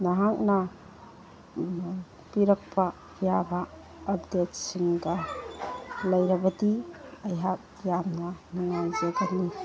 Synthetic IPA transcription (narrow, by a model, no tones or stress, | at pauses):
naɦak̚na | piɾɐk̚pʰa | jabaː | pdet̚siŋɡa | lɐjɾɐbɐdiɐjɦak̚ | jamnanuŋawzeɡani